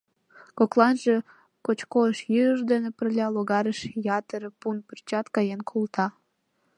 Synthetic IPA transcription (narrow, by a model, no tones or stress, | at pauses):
koklɑnʒe | kot͡ɕkoəʃjyəʒd̪enepərlʲɑloɣɑɾəʃjɑt̪əɾəpunpərt͡ɕɑt̪kɑjenkʰult̪ʰɑ